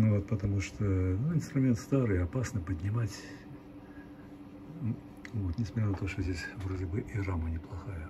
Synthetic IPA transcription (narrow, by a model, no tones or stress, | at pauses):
nʊvot̪pət̪ɐmuʂt̪ʰonuɪnst̪ɾʊmʲe̞nt̪st̪aɾɨɐpasnɨpədʲnʲɪmatʲ | vot̪nʲɪsmɐtʲɾʲanət̪o̞ʂt̪ozʲdʲesʲvrodʲɪbɨʔiramənʲɪplˠɐxajə